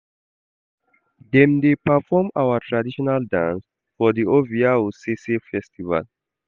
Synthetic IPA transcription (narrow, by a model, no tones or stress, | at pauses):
d̪ɛ̃mdepəfɔmawətʰɹadiʃɔnaldãns | fɔd̪ioviaosesefɛstiva̰l